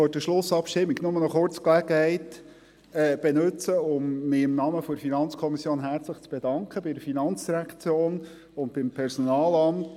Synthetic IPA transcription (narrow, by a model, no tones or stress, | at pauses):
ødəʃlʊsːɑpʃtɪmːiɡnʊmənɔχʊɾt͡sklæɡ̥əhɛɪt̪ | ɛb̥enɵt͡səʊmːɪɪmnɑməfɔɾfinɑnt͡skʰɔmisjoːnɦæɾt͡sləχt͡sb̥ed̥ɑŋkχəbɪɾəfinɑnt͡sd̥iɾækʰt͡sjoːn | ʊnt̚b̥ɪmpʰɛɾsɔnɑːlɑmt